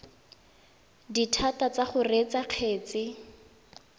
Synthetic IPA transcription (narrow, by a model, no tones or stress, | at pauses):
ditʰatat͡saχʊret͡saq͡χʰeːt͡sɪ